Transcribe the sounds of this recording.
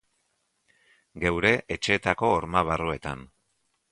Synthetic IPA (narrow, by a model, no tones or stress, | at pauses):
ɡe̞wɾe̞ʔet͡ʃe̞ːt̪ako̞ːɾmaβ̞arue̞t̪a̰n